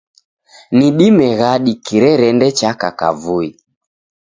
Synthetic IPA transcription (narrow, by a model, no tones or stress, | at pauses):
niɗimɛɣaɗikiɾɛɾɛndɛt͡ʃakaka̰vui